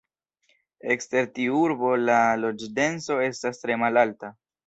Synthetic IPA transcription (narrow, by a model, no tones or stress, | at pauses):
e̞kste̞ɾtiuɾbo̞lalo̞d͡ʒde̞nso̞e̞stastɾe̞malalta